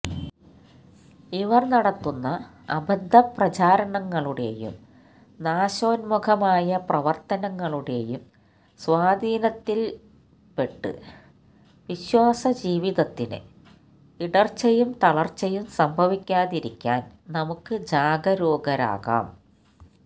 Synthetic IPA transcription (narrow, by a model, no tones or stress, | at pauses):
iʋɐrnɐɽɐt̪ːunːɐ | ɐ̰bɐd̪ʱːɐprɐt͡ɕaːɾɐɳɐŋːɐɭuɽe̞̰jṵm | naːɕoːnmuɡʰɐmaːjɐprɐʋɐrt̪ɐnɐŋːɐɭuɽe̞jum | swaːd̪ʱiːnɐt̪ːil | pe̞ʈːɨ̰ | ʋiɕwaːsɐd͡ʑiːʋiðɐt̪ːinɨ̰ | iɽɐrt͡ɕːɐjumt̪ɐɭɐrt͡ɕːɐjumsɐmbʱɐʋikʲːaːðiɾikʲːa̰ːnnɐmukːɨd͡ʑaːɡɐɾoːɡɐɾa̰ːɣa̰ːm